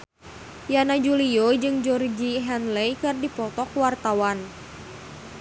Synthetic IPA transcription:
janad͡ʒuliod͡ʒɨŋd͡ʒɔrd͡ʒiɦɛnlɛjkɨrdipɔt̪ɔkwart̪awan

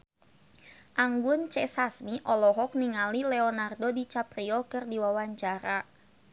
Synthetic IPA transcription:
ʔaŋɡʊnt͡ʃɛsasmiʔɔlɔɦɔk̚niŋalilɛɔnardodit͡ʃapɾiɔkɨrdiwawaɲt͡ʃaɾa

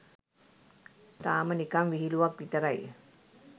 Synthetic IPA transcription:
t̪aːmənikamʋiɦiluʋak̚ʋit̪əɾaj

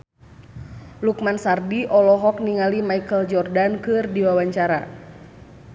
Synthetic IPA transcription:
lukmansardiʔɔlɔɦɔk̚niŋalimaikəld͡ʒɔrdankɨrdiwawaɲt͡ʃaɾa

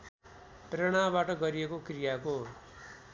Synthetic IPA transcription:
prʌɽ̃abaʈʌɡʌɾijekokrijako

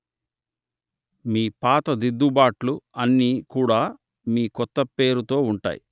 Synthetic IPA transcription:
miːpaːt̪ɐd̪id̪ːubaːʈluɐnːiːkuːɽaː | miːkɔt̪ːɐpe̞ːɾut̪o̞ːuɳʈa̰ːjḭ

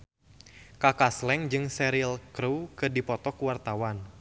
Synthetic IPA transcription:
kakaslɛŋd͡ʒɨŋsɛɾilkɾukədipɔt̪ɔkuwart̪awan

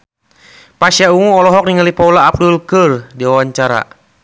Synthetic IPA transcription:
pasjauŋuɔlɔɦɔk̚niŋalipaulaːp̚dulkɨrdiawaɲt͡ʃaɾa̰

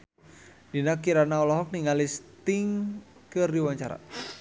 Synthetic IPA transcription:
dinakiɾanaɔlɔɦɔk̚niŋalist̪iŋ | kɨrdiwaɲt͡ʃaɾa̰

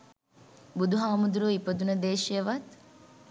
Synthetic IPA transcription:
bud̪uɦaːmud̪uɾoipɐd̪unɐd̪eːʃijɐʋɐt̪

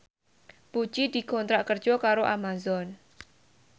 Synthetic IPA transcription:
pu̥t͡ʃid̪̥i̤kɔnt̪ɾaʔkər̥d͡ʒ̥ɔkaɾoʔamazɔn

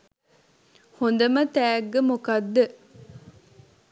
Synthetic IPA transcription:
hond̪əmət̪æːɡːemukɐd̪ːə

